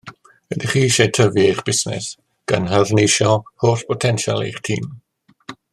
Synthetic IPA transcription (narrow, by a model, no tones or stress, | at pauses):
ədiχiːʃejtʰəvjejχb̥ɪsnɪ̰s | ɡ̥a̰nɦaðnejʃɔhoːɬpʰɔtʰɛnʃa̰lˠḛjχtʰḭːm